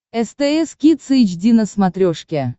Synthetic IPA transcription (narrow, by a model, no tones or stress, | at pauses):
ɛst̪ɛɛskʲit̪sɨit͡ɕdʲinəsmat̪ɾʲoʂkʲe